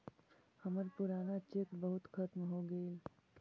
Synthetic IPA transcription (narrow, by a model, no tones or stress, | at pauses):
həməɾpʊɾaːnat͡ʃekbəɦʊt̪kʰət̪mɦoɡəil